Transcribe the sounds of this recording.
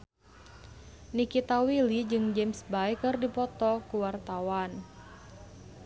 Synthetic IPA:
nikit̪awilid͡ʒɨŋd͡ʒemsbajkɨrdipɔt̪ɔkuwart̪awan

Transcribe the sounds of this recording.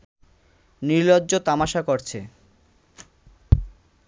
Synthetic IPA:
niɾlodːʑot̪amaʃakoɾt͡ɕʰe

